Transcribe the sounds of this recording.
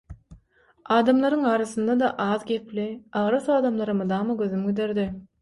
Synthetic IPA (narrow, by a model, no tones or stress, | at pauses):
ɑːd̪ɑmlˠɑɾɯŋɑːɾɑθɯnd̪ɑd̪ɑʔɑːðɡʲepʰliɑʁɾɑsɑːd̪ɑmlˠɑɾɯmɯd̪ɑːmɯɡøðymɡid̪eɾd̪i